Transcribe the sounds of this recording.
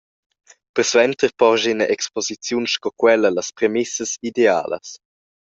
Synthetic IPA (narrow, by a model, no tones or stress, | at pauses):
pəɾsvɛnt̪əɾpɔʒinəʔɛkspozit͡sjunʃkɔkwɛləlɐspɾemɪsəsidea̰ːlə̰s